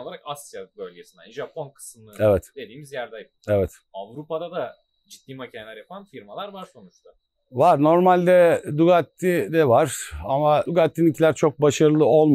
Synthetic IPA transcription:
oaɾakasjabølʲɟesina̰niʒapʰonkʰɯ̥smlˠɯevɛt̪d̪e̞d̪iːmizjæɾd̪aj | evɛt̪ | avɾupad̪ad̪a | d͡ʒit̪̚ːiːmacʰanelʲæɾjapʰanfiɾmalˠaɾvaɾso̞nut͡ʃt̪ʰʊ | vaɾno̞ɾmalʲd̪ɛd̪uɡat̪ːid̪ɛvaɾ̥amad̪uɡat̪ːinicʰilʲæɾt͡ʃʰo̞k̚baʃaɾɯlˠɯo̞lˠm

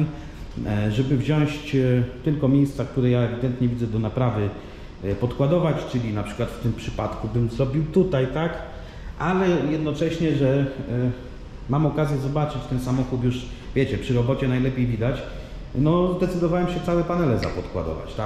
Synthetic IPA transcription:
ʐɛbɘvʑɔ̃ɕt͡ɕt̪ɘlkɔmʲjejst̪sak̚t̪uɾɛjaɛvʲid̪ɛnt̪ɲɛvʲid̪zɛd̪ɔnapɾavɘ | pɔt̪kwad̪ɔvat͡ɕt͡ʂɘlʲinapʂɘ̥kwat̪ft̪ɘmpʂɘpat̪kubɘmzɾɔbʲiwt̪ut̪ajt̪ak | ʔalɛjɛd̪nɔt͡ʂɛɕɲɛʐɛ | mamɔkazʲjɛzɔbat͡ʂɘt͡ɕt̪ɛnsamɔxut̪juʂ | vʲjɛt͡ɕɛpʂɘɾɔbɔt͡ɕɛnajlɛpʲjejvʲid̪at͡ɕ | nɔzd̪ɛt̪sɘd̪ɔvawɛmɕɛt̪sawɛpanɛlɛza̰pɔt̪kwa̰d̪ɔ̰va̰t͡ɕt̪a

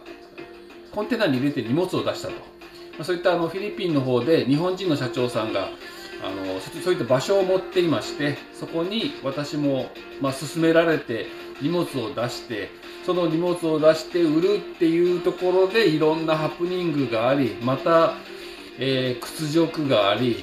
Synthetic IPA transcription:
kõnt̪e̞ːnaɲ̟ʲiɾe̞t̪e̞ɲ̟imo̞t͡sɨo̞d̪aɕi̥t̪at̪o̞̥̰ | maso̞ːit̪ːaːno̞ɸʲiɾʲipʲːĩnːo̞ɦo̞ːd̪e̞ɲ̟iɦõ̞ɲ̟d͡ʑĩnːo̞ɕ̬at͡ɕo̞ːsãŋɡa̰a̰no̞̰sosoːit̪ːabaɕo̞ːmo̞t̪ːe̞imaɕi̥t̪e̞ | so̞ko̞ɲ̟iβat̪aɕimo̞ | masɨsɨme̞ɾaɾe̞t̪e̞ | ɲʲimo̞t͡sɨo̞d̪aɕi̥t̪e̞ | so̞no̞ɲʲimo̞t͡sɨo̞d̪aɕi̥t̪e̞ɯ̟ɾɯ̟t̪ːe̞jɯ̟ːt̪o̞ko̞ɾo̞d̪e̞iɾõ̞nːaɦapːɯ̟ɲ̟ĩŋɡɯ̟ɡaːɾʲimat̪a | eːkɯ̟̥t͡sɨʑo̞kɯ̟ɡaːɾʲi

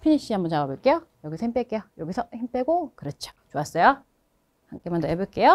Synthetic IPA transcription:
pʰiɲiɕ͈iambʌnt͡ɕaɡʌbɯɭk͈e̞jojʌɡisʰʌhimp͈ek͈e̞jojʌɡisʰʌçimp͈eɡokɯɾʌt͡ɕʰo̥t͡ɕoas͈ʌjo | haŋk͈emandoebuɭk͈e̞jo

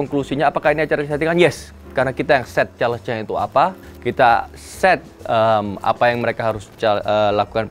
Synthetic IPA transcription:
ɔŋklusiɲaːpakahiniat͡ʃaɾaat̪iŋanjɛs | karnakit̪ajaŋsɛt̪̚t͡ʃaləsɲait̪ua̰pa | kit̪a | sɛt̪̚əma̰pajaŋməɾekaɦaɾʊst͡ʃaəlakukan

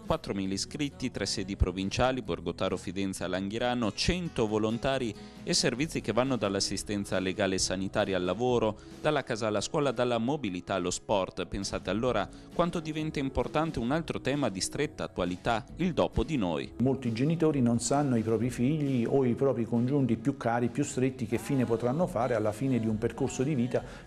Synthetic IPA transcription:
kwat̪ːɾomiliskɾit̪ːit̪ɾɛsːɛːd̪ipɾovint͡ʃaːliborɡot̪aːɾofid̪ɛnt̪salaŋɡiɾaːnot͡ʃɛnt̪ovolont̪aːɾi | eservit̪sikevːanːod̪alːasːist̪ɛnt̪saleɡaːlesanit̪aːɾjaːlːavoːɾo | d̪̥alːakaːzaːlːaskwɔːlad̪alːamobilit̪alːospɔrt̪pensaːt̪ealːoːɾa | kwant̪od̪ivɛnt̪aimport̪ant̪eunalt̪ɾot̪ɛːmad̪ist̪ɾet̪ːaːt̪ːwalit̪aild̪ɔːpod̪ino̰ːj̰molt̪id͡ʒenit̪oːɾinonsanːoipɾɔːpɾifiʎːioipɾɔːpɾikond͡ʒunt̪ipjukːaːɾipjust̪ɾet̪ːik̟efːiːnepot̪ɾanːofaːɾealːafiːned̪iumperkorsod̪iviːt̪a

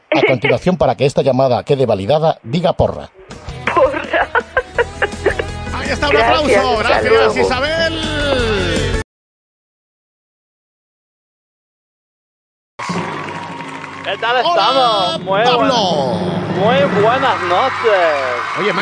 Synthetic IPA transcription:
akont̪inwaθjompaɾakeest̪aʎamaða̰keðeβaliðaðaðiɣapo̰ra̰ | pʰora | ajest̪auaplawsoɣɾaθjasisaβel | ket̪aleot̪amomaβlomujβwenaznot͡ʃesojema

